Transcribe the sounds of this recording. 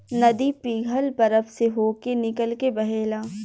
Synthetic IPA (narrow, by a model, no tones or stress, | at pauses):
nɐd̪ipiːɡʱəlbɐɾəfseɦoːkenɪkəlkebɐɦeːlaː